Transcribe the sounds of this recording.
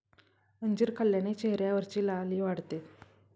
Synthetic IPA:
əɲd͡ʑiːɾkʰəljanet͡ɕeɦɾjaʋəɾt͡ɕiːlaliːʋaɽt̪e

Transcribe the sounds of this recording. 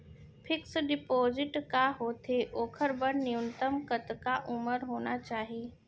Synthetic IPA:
pʰɪksɖɪpoːzɪʈkaɦoːt̪ʰeʔoːkʰəɾbəɾniunt̪əmkət̪kaʔʊməɾɦoːnat͡ʃaːɦieː

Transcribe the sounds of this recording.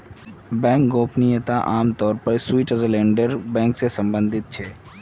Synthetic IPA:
bɛ̃ːŋk̚ɡoːpnɪjət̪aʔaːmt̪ɔːɾpəɾswiːʈəzəlẽːɳɖəɾbɛ̃ːŋksesə̃mbə̃nd̪ʱɪt̪̚t͡ʃʰɛː

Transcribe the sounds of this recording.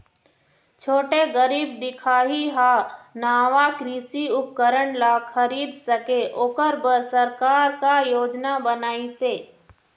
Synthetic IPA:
t͡ʃʰoːʈeɡəɾiːb̚d̪ɪkʰaːɦiɦanaːʋakɾiːsiʊp̚kəɾəɳlakʰəɾiːd̪səkeʔoːkəɾbəɾsɐɾkaːɾkajoːd͡ʒnabənaːiseː

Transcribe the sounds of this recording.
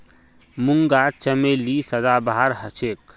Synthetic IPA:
muŋɡat͡ʃəmelisəd͡ʒabaɦaɾɦət͡ʃʰek

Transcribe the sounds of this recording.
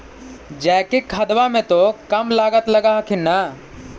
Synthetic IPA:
d͡ʒɛːkekʰɐd̪ʋamẽt̪okɐmlaːɡət̪lɐɡakʰɪna

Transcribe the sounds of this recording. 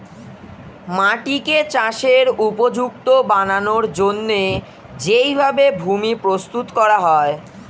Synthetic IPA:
maʈiket͡ɕaʃeɾupod͡ʑukt̪obananoɾd͡ʑonːe | d͡ʑejbʱabebʱumipɾost̪ut̪kɔɾaɦɔe

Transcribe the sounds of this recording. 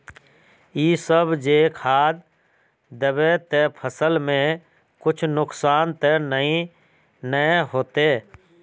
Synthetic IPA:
iːsəbd͡ʒeːkʰaːd̪̚ | d̪əbet̪epʰəsəlmẽ | kʊt͡ʃʰnʊksaːnt̪enəĩ | nəɦoːt̪eː

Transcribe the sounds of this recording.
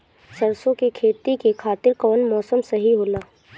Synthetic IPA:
sɐɾsõkekʰeːt̪ikekʰaːt̪ɪɾkɔːnmɔːsəmsɐɦiɦoːlaː

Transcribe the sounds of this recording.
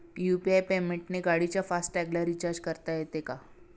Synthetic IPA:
jupiajpemeɳʈneɡaɽit͡ɕjafasʈʈɛɡləɾit͡ɕaɾd͡ʑkəɾt̪ajet̪eka

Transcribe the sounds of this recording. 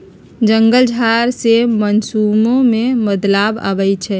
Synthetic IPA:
d͡ʒəŋɡəld͡ʒʱaɾsemənsumõmeməd̪labə̰bɛt͡ʃʰɛ

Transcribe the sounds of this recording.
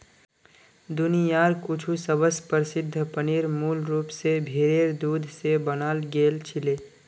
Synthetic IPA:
d̪ʊnijaːɾkʊt͡ʃʰusəbəspəɾɪsɪd̪ʱːəpəniːɾmuːlɾuːpsebʱeːɾeːɾd̪uːd̪ʱsebənaːlɡeːlt͡ʃʰɪleː

